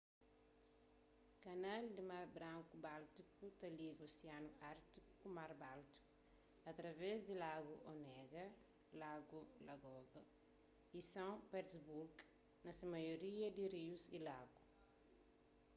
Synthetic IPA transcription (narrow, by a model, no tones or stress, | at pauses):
kɐnald̪imaɾbɾãŋkubalt̪ikut̪ɐliɡosianuaɾt̪ikukumaɾbalt̪i̥ku̥ | ɐt̪ɾɐvezd̪ilaɡuʔonɛɡɐ | laɡulɐɡɔɡɐ | isɐ̃wpɛɾsbuɾɡ | nɐsimɐjoɾiɐd̪iɾiusilaɡu